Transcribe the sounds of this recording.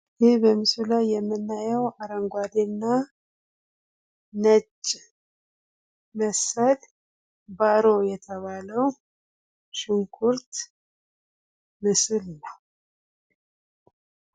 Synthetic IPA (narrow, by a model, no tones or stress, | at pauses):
jɪhbəmɨsulajːɛmːɨnːajɛwaɾəŋɡʷad̪enːa | nət͡ʃʼː | məsəl | baɾo̞jɛt̪ʰəβaləw | ʃɪŋkʰuɾt̪ | mɨsɨlnːəw